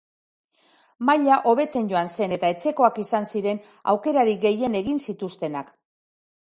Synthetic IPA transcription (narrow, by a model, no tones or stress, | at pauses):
maʎaʔo̞βe̞t͡se̞nɟo̞anse̞ne̞t̪ae̞t͡se̞ko̞akisansiɾe̞n | a̰wke̞ɾaɾiɡe̞je̞ne̞ɣ̞insit̪ust̪e̞nak